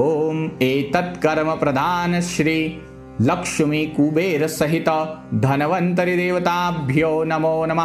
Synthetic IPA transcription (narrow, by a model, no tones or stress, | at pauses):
oːmeːt̪ɐt̪kɐɾmɐpɾɐd̪ʱaːnɐʃɾiː | lɐkʂɐmikuːbeːɾɐsɐɦit̪ɐd̪ʱɐnɐʋɐnt̪ɐɾid̪eːʋɐt̪aːbʱjoːnɐmoːnɐmɐ